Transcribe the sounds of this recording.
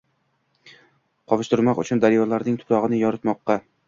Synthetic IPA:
qʰɒwɪʃt̪ɪɾmɒqʊ̰t͡ʃʰʊnd̪aɾjɒlaɾnɪŋt̪ʰʊ̥pɾɒʁɨnɪjɒɾɨt̪mɒqːɑ

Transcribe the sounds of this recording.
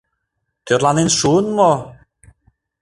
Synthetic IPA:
tʰeɾlˠanɪnʃuːnmɔ

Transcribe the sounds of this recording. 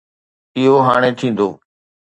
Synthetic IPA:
ɪɦoːɦaːɽ̃ẽːt̪ʰĩːnd̪oː

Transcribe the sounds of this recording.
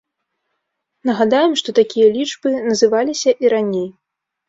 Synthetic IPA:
nɐɣad̪ajɛmʂt̪ɔt̪akʲijɐlʲit͡ʂbɨnɐzɨvalʲisʲɐʔiɾanʲej

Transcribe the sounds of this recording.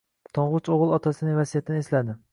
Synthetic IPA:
t̪ʰɑɴʁʊt͡ʃoʁɨlˠɒt̪ʰasɪnɪvasijat̪ʰɪnɪeslad̪ɪ

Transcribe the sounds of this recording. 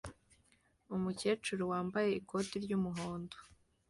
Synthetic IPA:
umuce̞ːt͡ʃuɾuwaːmbaje̞iko̞tiɾɟumuɦoːndo

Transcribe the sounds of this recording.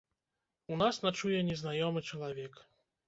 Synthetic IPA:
unasnat͡ʂujɛnʲɛznajɔmɨt͡ʂɐlˠavʲɛk

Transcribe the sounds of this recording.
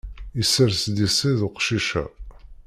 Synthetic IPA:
isːəɾsd̪isiðuqʃiʃæ̰

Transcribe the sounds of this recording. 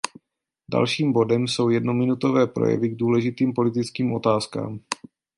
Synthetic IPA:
da̰lʃiːmbo̞dɛmso̞wjɛdno̞mɪnut̪o̞vɛːpɾo̰jɛ̰vɪɡ̚duːlɛʒɪt̪iːmpo̞lɪt̪ɪt͡skiːmʔo̞t̪aːska̰ːm

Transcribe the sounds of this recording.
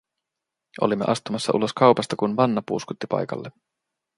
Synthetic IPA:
ʔo̞̰limːe̞ʔɑst̪umɑsːɑ̰ʔṵlo̞skɑwpɑst̪ɑkunʋɑnːɑpṵːskut̪ːipɑ̰jkɑ̰lːe

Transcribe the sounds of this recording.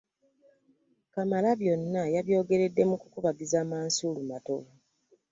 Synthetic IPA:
kamalaβjo̞nːajaβjo̞ːɡe̞ɾe̞dːe̞mukukuβaɡizaːmaːnsuːlumato̞vu

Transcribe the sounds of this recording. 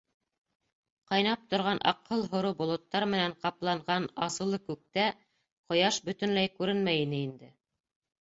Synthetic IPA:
qɑjnɑp̚t̪ŏɾʁɑnʔɑ̰qːɤlˠɦŏɾɤbŏlˠŏt̪ːɑɾmɘ̆næɴqɑplˠɑɴʁɑnɑsɤ̆lˠɤkʉk̚t̪æ | qŏjɑʃbɵ̆t̪ɘ̆nlæjkʉɾɘnmæjinɘind̪ɘ

